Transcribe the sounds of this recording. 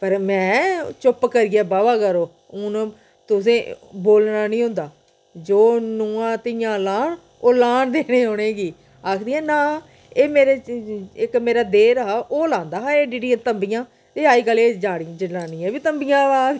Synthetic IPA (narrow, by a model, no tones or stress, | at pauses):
pəɾmɛ̃ːt͡ʃʊpkəɾiːaːbaːʋaːkəɾoː | ʊn | t̪ʊs̬ẽːboːlnaːnĩːɦʊ̃nd̪aː | d͡ʒoːnuːãːt̪ɪjãːlaːɳ | oːlaːɳd̪eːneːɦoːɽeːɡiː | aːkʰd̪iːɛ̃ːnaː | eːmeːɾeːɪkmeːɾaːd̪eːɾɦaːʔoːlãːnd̪aːɦaːeːɖiːɖiːət̪əmbijãː | t̪eːaːiːkəleːd͡ʒaːɽid͡ʒəlaːnĩːɛ̃ːʋiːt̪əmbijãːʋaːd̪